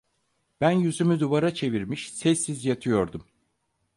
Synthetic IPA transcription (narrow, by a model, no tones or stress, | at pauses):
b̥ænjyzymyd̪uvaɾat͡ʃʰe̞viɾmiʃsɛsːizjat̪ʰɯjo̞ɾd̪um